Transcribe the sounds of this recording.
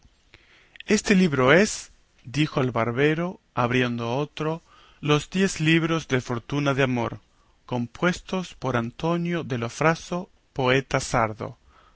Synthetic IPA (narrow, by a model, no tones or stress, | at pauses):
est̪eliβɾoes | d̪ixoalβaɾβeɾo | aβɾje̞nd̪oaot̪ɾo | lozd̪je̞zliβɾozðefo̞ɾt̪unaðeamo̞̰ɾ | ko̞mpwe̞st̪ospoɾant̪onjoðelofɾaso | poet̪asaɾðo̰